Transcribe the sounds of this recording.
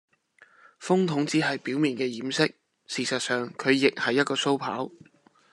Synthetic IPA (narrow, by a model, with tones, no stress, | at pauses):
fʊ˥ŋt̪ʰʊ˨˧˥ŋt͡siː˨˥ɦɐ˨jpiː˨˥wmiː˨˩nkɛː˧jiː˨˥msɪ˥k̚ | siː˨sɐ˨t̚sœː˨ŋkʰɵ˨˧ɥjɪ˨k̚hɐ˨jːɐ˥t̚kɔː˧so˥wpʰa̰ː˨˥w